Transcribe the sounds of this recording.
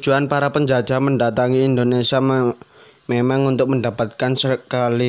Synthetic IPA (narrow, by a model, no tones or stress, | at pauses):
d͡ʒ̥uanpaɾapəɲd͡ʒḁd͡ʒaməndat̪aŋiːnd̪onesia | memaŋunt̪ʊk̚məndapat̪̚kansəkali